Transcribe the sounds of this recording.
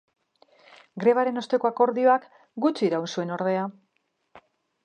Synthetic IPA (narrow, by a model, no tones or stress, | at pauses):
ɡɾe̞β̞aɾe̞no̞st̪e̞ko̞ako̞ɾðio̞ak | ɡut͡ʃiːɾawnsue̞no̞ɾð̞e̞a